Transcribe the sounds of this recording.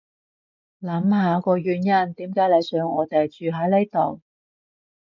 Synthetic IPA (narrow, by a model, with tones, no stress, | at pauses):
lɐ˨˥mhaː˨˧kɔː˧ɥyː˨˧njɐ˥nt̪iː˨˥mkaː˨˥jle˨˧jsœː˨˥ŋɔː˨˧t̪e˨jt͡ʃyː˨ɦɐ˨˥jle˥jt̪o˨˩w